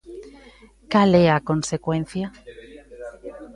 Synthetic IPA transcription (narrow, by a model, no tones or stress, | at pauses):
kaleakonsekwẽn̟θja